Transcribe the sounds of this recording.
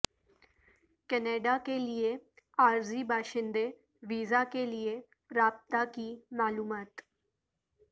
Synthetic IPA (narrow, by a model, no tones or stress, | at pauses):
kɛneːɖaːkelɪe | aːɾziːbaːʃɪ̃nd̪e | ʋiːzaːkelɪe | ɾaːb̚t̪akiːmaːluːmaːt̪